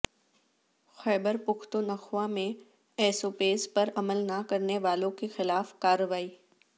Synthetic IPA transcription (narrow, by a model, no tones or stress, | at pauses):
xɛːbəɾpʊkʰt̪onɐxʋamẽ | ɛːsoːpeːzpɐɾɐməlnakɐɾneʋaːlõkexɪlaːfkaːɾʋaːiː